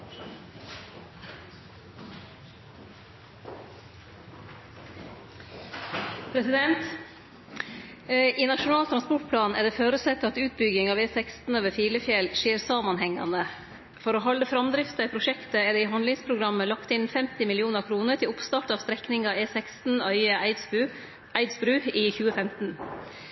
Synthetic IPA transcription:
pʰɾɛsɪd̪ɛnt̪ | ʔiːnɑʃʊnɑːlt̪ʰɾɑnspɔʈ̚pʰlɑːnæːɖ̪ɛːføːɾʉsɛt̪ːəɑt̪ʉːt̪̚bʏɡɪŋɑːʋeːsɛkst̪n̩øːʋəfiːləfjɛlʃeːɾsɑːmɑnhɛŋɑ̰nə | fɔɾoːɦɑld̪əfɾɑmd̪ɾɪft̪əɛpʰɾʊʃɛkt̪əɛːd̪eːiːɦɑnlɪŋspʰɾʊɡɾɑməlɑkt̪ɪnfɛmt̪ɪmɪlɪuːnəɾkʰɾuːnəʈʰɪlʊpst̪ɑːʈɑːʋst̪ɾɛknɪŋɑːeːsɛkst̪n̩œʏəɪʉ | æɪd̪sbɾʉːiːçʉːəfɛmt̪n̩

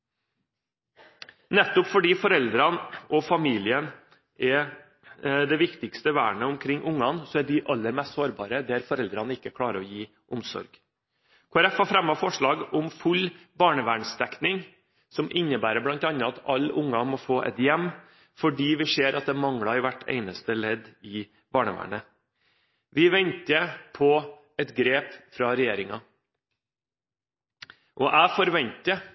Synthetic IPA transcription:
nɛt̪ːʊpfɔɖiːfɔɾɛld̪ɾɑnʔɔfɑmiːlɪən | ʔɛ | d̪ɛʋɪkt̪ɪkst̪əʋæːɳəʊmkʰɾɪŋːʔʊŋːɑnsɔæɖɪʔɑlːəɾmɛst̪soːɾbɑ̰ːɾəd̪ɛæɾfɔɾɛld̪ɾɑnəɪkːəkʰɽɑːɾəɔjiː | ʔʊmsɔ̰ɾɡ | kʰoːæɾɛfɑfɾɛmɑfɔʂɭɑːɡɔmfʉlː | bɑːɳəʋæːɳst̪ʰɛknɪŋ | sɔmʔɪnːəbæːɾəblɑnt̪ɑnːəɑt̪ʰɑlːʊŋːɑmɔfoːʔɛ̰t̪jɛmː | fɔɖiːʋɪseːɾʔɑt̪̚d̪ɛmɑŋɽɑɾʋæʈʰːḛɪnəst̪əlɛd̪ɪ | bɑːɳəʋæ̰ːɳə | ʋɪʋɛnt̪əpʰɔ | ɛt̪ɡɾeːpfɾɑɾɛjeːɾɪŋɑ | ʔɔʔæːfɔɾʋɛnt̪ə

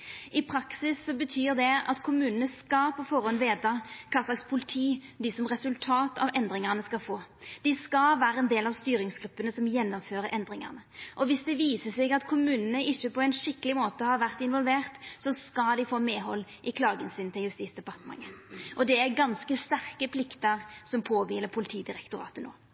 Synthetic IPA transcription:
ɪpʰɾɑksɪsːɔbət̪ʰyːɾd̪ɛɑ̰t̪kʰʊmʉːnənəskɑpʰɔfɔɾɔnʋeːt̪ɑkʰɑːslɑkspʰʊlɪt̪ʰiːd̪ɪsɔmʁɛsʉlt̪ʰɑːt̪ɑ̰ʋʔɛnd̪ʁɪŋəʁnəskɑfoːd̪̥ɪskɑlʋæːɾəɛnd̪eːlɑʋst̪yːɾɪŋsɡɾʉpːənəsɔmjɛnːɔmføːɾəɾʔɛnd̪ɾɪŋə̰ʁnəʔɔʋɪsd̪ɛʋiːsəsɛɡɑt̪kʰʊmʉːnənəʔɪçːəpɔɛnʂɪkːəlɪmoːt̪əhɑɾʋæʁt̪ɪnʋɔlʋeːʁt̪sɔskɑld̪ɪfoːmeːɦɔlːʔɪkʰlɑːɡənsɪnt̪ʰɪljʉst̪iːt̪sd̪ɛpɑʁt̪əmɑ̰ŋːəʔɔd̪ɛæɾɡɑnskəst̪æʁkəpʰlɪkt̪əʁsɔmpʰoːʋiːləpʰʊlɪt̪ʰiːd̪ɪɾɛkt̪ʊɾɑ̰ːt̪əno̰ː

